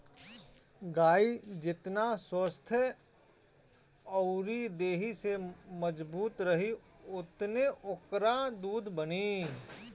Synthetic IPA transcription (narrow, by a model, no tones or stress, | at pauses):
ɡaːid͡ʒɪt̪naswəst̪ʰjə | ɔʊɾid̪eːɦiseməd͡ʒbuːt̪ɾəɦi | ʊt̪neʔʊkɾad̪uːd̪ʱbəni